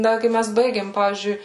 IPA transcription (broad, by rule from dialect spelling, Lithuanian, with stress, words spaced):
ˈdɐ ˈkɐɪ ˈmʲɛs ˈbɐɪɡʲeːm ˈpɑːʋʲiːzʲd͡ʒʲʊɪ